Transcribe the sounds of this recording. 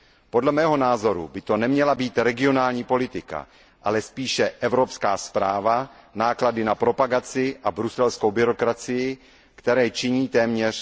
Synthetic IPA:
po̞dlɛmɛːɦo̞naːzo̞ɾṵbɪt̪o̞nɛmɲɛlabiːt̪ɾɛɡɪo̞naːlɲiːpo̞lɪt̪ɪka̰ | ʔalɛspiːʃɛʔɛvɾo̞pskaːspɾaːvanaːkladɪnapɾo̞paɡat͡sɪʔabɾusɛlsko̞wbɪɾo̞kɾat͡sɪjɪ | kt̪ɛɾɛːt͡ʃɪɲiːt̪ɛːmɲɛr̝̥

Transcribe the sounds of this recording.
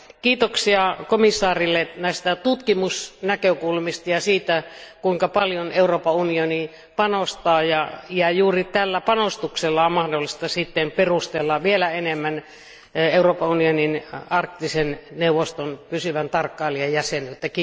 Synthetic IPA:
kiːt̪oksiɑkomisːɑːrilːenæˑist̪æt̪ut̪kimusnækøkulmist̪ɑjɑsiːt̪ækuiŋkɑpɑljoneuroːpɑunioni | pɑnost̪ɑːjɑjɑjuːrit̪ælːæpɑnost̪ukselːɑommɑhdolːist̪ɑsiˑt̪ːemperust̪elːɑʋielæenemːæn | euroːpɑunioninɑrkt̪ːisenneuʋost̪onpysyʋænt̪ɑrkːɑˑelːiejjæsenylt̪ːæki

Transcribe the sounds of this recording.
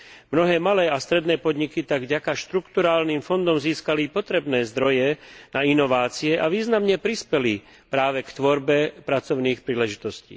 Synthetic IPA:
mnɔɦɛːmalɛːast̪ɾɛd̪nɛːpɔd̪ɲikit̪aɡvɟakaʃt̪ɾukt̪uɾaːlniːmfɔnd̪ɔmziːskalipɔt̪ɾɛbnɛːzd̪ɾɔjɛnainɔʋaːt͡siɛʔaʋiːznamɲɛpɾispɛli | pɾaːʋɛkt̪ʋɔɾbɛpɾat͡sɔʊniːxpɾiːlɛʒit̪ɔscḭː

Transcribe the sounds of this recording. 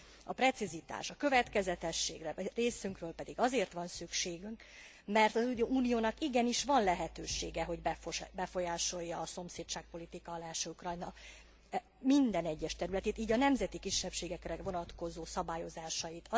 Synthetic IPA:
ɒpɾɛt̪sizit̪a̰ːʃɒkø̞vɛt̪kɛzɛt̪ɛʃːḛːɡrɛreːsyŋkrøːlpɛd̪iɡɒzeːrt̪ʋɒnsykʃeːɡyŋk | mɛrt̪ɒzuːnijoːnɒkiɡɛniʃʋɒnlɛɦɛt̪øːʃḛːɡɛɦo̞ɟbɛbɛfo̞jaːʃo̞jːɒːso̞mseːt̪t͡ʃaːk̚po̞lit̪ikɒːlaːʃukrɒjnɒ | mind̪ɛnɛɟːɛʃt̪ɛɾylɛt̪eːt̪iːɟɒnɛmzɛt̪ikiʃːɛpʃeːɡɛkrɛvo̞nɒt̪ko̞zoːsɒbaːjo̞zaːʃɒjit̪ɒ

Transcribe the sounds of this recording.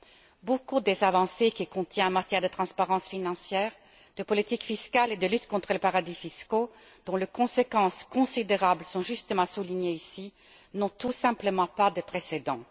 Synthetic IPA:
bokud̪ezavɑ̃sekʲikɔ̃t̪ʰjɛ̃amaʁt̪jɛʁd̪ət̪χɑ̃spaʁɑ̃sfinɑ̃sjɛːʁ | d̪̥əpɔlit̪ikfiskaled̪əlyt̪kɔ̃t̪χələpaʁad̪ifisko | d̪̥ɔ̃lekɔ̃sekɑ̃skɔ̃sid̪eʁablsɔ̃ʒyst̪əmɑ̃suliɲeisi | nɔ̃t̪usɛ̃pləmɑ̃pad̪əpχesed̪ɑ̃

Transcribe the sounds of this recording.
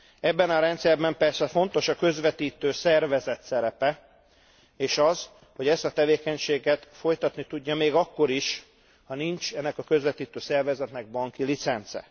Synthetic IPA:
ɛbːɛnɒɾɛnt̪sɛrbɛmpɛrsɛfo̞nt̪o̞ʃɒkø̞zʋɛt̪iːt̪øːsɛrvɛzɛt̪sɛɾɛpɛ | eːʃɒz | ho̞ɟɛst̪ɒt̪ɛveːkɛɲʃeːɡɛt̪fo̞jt̪ɒt̪nit̪uɟːɒmeːɡɒkːo̞ɾiʃ | hɒnint͡ʃɛnːɛkɒkø̞zʋɛt̪iːt̪øːsɛrvɛzɛt̪nɛɡ̚bɒŋkilit̪sɛnt̪sɛ̰

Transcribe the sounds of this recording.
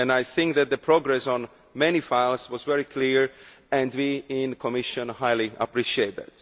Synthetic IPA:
ɨ̃naɪθɪ̃ŋk̚ðæt̪̚ðəpʰɹɔɡɹɛsɔ̃n | mɛnifaɪlˠswɔzvɛɹikʰliɹ | ɛ̃ndwiɪ̃nkʰɔmɪʃə̃nhaɪliʔə̰pɹiʃieɪt̪̚ðæ̰t

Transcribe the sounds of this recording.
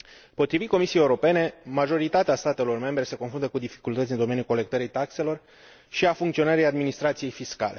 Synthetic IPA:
po̞t̪ɾivit̪ko̞misiejeuɾo̞pe̞ne̞maʒo̞ɾit̪at̪east̪at̪e̞lo̞rme̞mbɾe̞se̞ko̞nfɾunt̪əkud̪ifi̥kult̪ət̪sʲɨnd̪o̞me̞njulko̞le̞k̚t̪əɾijt̪akse̞lo̞r | ʃiafuŋkt̪sio̞nəɾejad̪minist̪ɾat̪sije̞jfiska̰le̞

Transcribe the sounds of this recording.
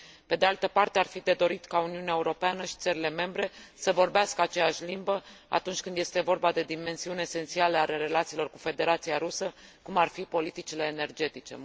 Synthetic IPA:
pe̞d̪e̞alt̪əpart̪e̞arfid̪e̞d̪o̞ɾit̪kauniuneaeuɾo̞peanəʃi̥t̪səɾile̞me̞mbɾe̞səvo̞rbeaskəat͡ʃejaʃʲlimbəa̰t̪unt͡ʃʲkɨnd̪je̞st̪e̞vo̞rbad̪e̞d̪ime̞nsiuneese̞nt̪sialəaleɾe̞lat̪silo̞rkufe̞d̪e̞ɾat̪siaɾusəkumarfipo̞lit̪it͡ʃile̞ːne̞rd͡ʒe̞t̪it͡ʃe̞̰

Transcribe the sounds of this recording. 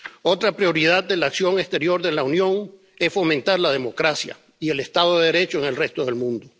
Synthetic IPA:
o̞t̪ɾapɾjo̞ɾið̞aðd̪elaːksjo̞ŋest̪e̞ɾjo̞ɾðe̞launjo̞ŋ | e̞sfo̞mẽ̞nt̪aɾlað̞e̞mo̞kɾasja̰ | ie̞le̞st̪að̞oðeð̞eɾe̞t͡ʃoeŋe̞lre̞st̪o̞ðelmũnd̪o

